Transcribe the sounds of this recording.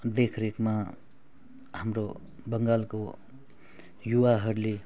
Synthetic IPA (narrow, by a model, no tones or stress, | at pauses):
d̪ekʰɾekma | hamɾo | bʌŋɡalko | juwaɦʌɾle